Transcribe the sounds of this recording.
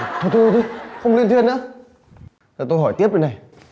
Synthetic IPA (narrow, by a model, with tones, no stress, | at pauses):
t̪ʰo˧˩t̪ʰt̪ʰo˧˩xə˧wŋ͡mli˧ənt̪ʰi˧ənːɨ̰˧˥ | t̪aː˨˩t̪o˧jɦɔ˧˩jt̪i˦˥p̚ɗə˧˩na˨˩j